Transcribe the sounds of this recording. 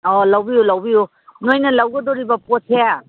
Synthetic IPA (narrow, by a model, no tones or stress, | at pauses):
ɔlawbijulawbiju | nojnɐlawɡədɔɾibɐpɔtʰea